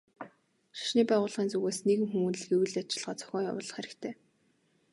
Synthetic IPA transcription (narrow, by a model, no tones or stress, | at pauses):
ʃḁʃniːpæːʁʊːɮʁiːnt͡suɣeːsneɣɘ̆ŋxumuːnɮɘ̆xewɘ̆ɮat͡ɕɪ̆ɮʁ̥aːt͡sœ̥xʲɔːja̰wʊːɮɞ̆χeɾɘ̆kt̪ʰeː